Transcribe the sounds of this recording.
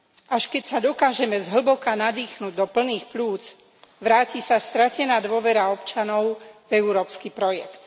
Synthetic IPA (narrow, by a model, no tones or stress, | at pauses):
ʔaʃkɛcsad̪ɔkaːʒɛmɛzɦl̩bɔkanad̪iːxnuːɟd̪ɔpl̩niːxpluːt͡s | ʋɾaːciːsast̪ɾacɛnaːd̪ʊɔʋɛɾaɔpt͡ʃanɔʊvɛuɾɔːpskiːpɾɔjɛkt̪